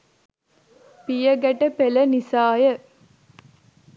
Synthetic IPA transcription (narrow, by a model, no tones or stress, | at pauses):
pijəɡæʈəpelənisaːjə